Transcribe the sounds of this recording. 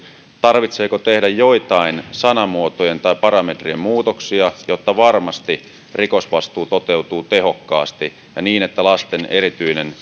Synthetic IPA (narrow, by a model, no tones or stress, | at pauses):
t̪ɑrʋit̪seːkot̪e̞hdæjjo̞it̪ɑinsɑnɑmuot̪ojent̪ɑipɑɾɑmet̪riemmuːt̪oksiɑjot̪ːɑʋɑrmɑst̪i | riko̞sʋɑst̪uːt̪ot̪e̞ut̪uːt̪e̞ɦokːɑ̰ːst̪i | jɑ̰niːne̞t̪ːælɑst̪eneɾit̪yinen